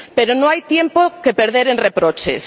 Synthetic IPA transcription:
peɾonõajt̪jempokepeɾðeɾenrepɾot͡ʃḛs

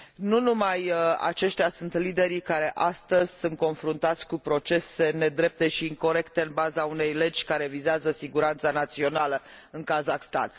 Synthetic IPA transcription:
nunumaja̰t͡ʃe̞ʃt̪ʲjasunt̪lid̪e̞ɾikaɾe̞ʔast̪əzʲsunt̪̚ko̞nfɾunt̪at̪sʲkupɾo̞t͡ʃe̞se̞ne̞d̪ɾe̞p̚t̪e̞ʃiːŋko̞ɾe̞kt̪e̞ɨnbazaune̞jle̞d͡ʒʲkaɾe̞vizeazəsiɡuɾant̪sanat̪sio̞naləɨŋkazaxst̪a̰n

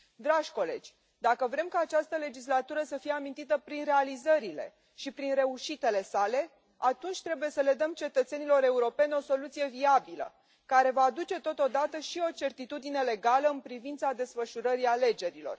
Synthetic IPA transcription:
d̪ɾaʒʲko̞le̞̰d͡ʒʲ | d̪akəvɾe̞mkaːt͡ʃast̪əle̞d͡ʒislat̪uɾəsəfije̞amint̪it̪əpɾinre̞alizəɾile̞̰ | ʃipɾinre̞uʃit̪e̞le̞sale̞ | at̪unt͡ʃʲt̪ɾe̞buje̞səle̞d̪əmt͡ʃe̞t̪ət̪se̞nilo̞ɾe̞uɾo̞pe̞nʲo̞so̞lut̪sije̞viabilə̰ | kaɾe̞vaːd̪ut͡ʃe̞t̪o̞t̪o̞d̪at̪əʃio̞t͡ʃe̞rt̪it̪ud̪ine̞le̞ɡaləɨnpɾivint̪sad̪e̞sfəʃuɾəɾiale̞d͡ʒe̞ɾilo̞̰r

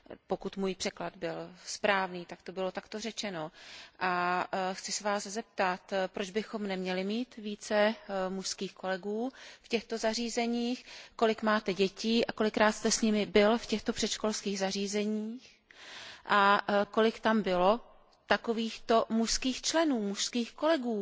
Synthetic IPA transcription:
po̞kut̪muːjpr̥ɛklad̪bɪlspɾaːvniːt̪akt̪o̞bɪlo̞t̪akt̪o̞rɛt͡ʃɛno̞ʔaxt͡sɪsɛvaːszɛp̚t̪at̪pɾod͡ʒbɪxo̞mnɛmɲɛlɪmiːt̪viːt͡sɛmuʃskiːxko̞lɛɡuːfcɛxt̪o̞zariːzɛɲiːxko̞lɪkmaːt̪ɛɟɛciːʔako̞lɪkɾaːt̪st̪ɛsɲɪmɪbɪlfcɛxt̪o̞pr̥ɛt̪ʃko̞lskiːɣzariːzɛɲiːx | ʔako̞lɪkt̪ambɪlo̞ | t̪akoviːxt̪o̞muʃskiːxt͡ʃlɛnuːmuʃskiːxko̞lɛɡuː

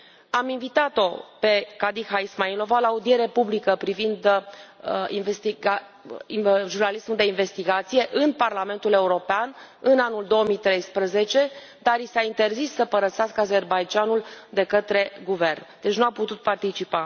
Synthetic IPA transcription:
aminvit̪at̪o̞pe̞kad̪ixaismailo̞valaːud̪ie̞ɾepublikəpɾivind̪əḭnvest̪iɡa | ʒurnalismuld̪e̞inve̞st̪iɡat̪sije̞ʔɨnparlame̞nt̪ule̞uɾo̞pean | ɨnanuld̪o̞oəmit̪ɾejspɾəze̞t͡ʃe̞ | d̪aɾisaint̪e̞rzisːəpəɾəsaskəaze̞rbajd͡ʒanuld̪e̞kət̪ɾe̞ɡuve̞rnd̪e̞t͡ʃnuaput̪ut̪̚part̪it͡ʃipa

